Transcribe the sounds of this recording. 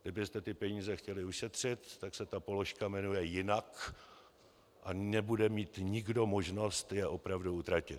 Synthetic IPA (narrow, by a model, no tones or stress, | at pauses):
ɡdɪbɪst̪ɛt̪ɪpɛɲiːzɛxcɛlɪuʃɛt̪r̝̥ɪt̪ːaksɛt̪apo̞lo̞ʃkamɛnujɛjɪnak | ʔanɛbudɛmiːt̪ɲɪɡdo̞mo̞ʒno̞st̪jɛʔo̞pɾavduut̪ɾacɪt̪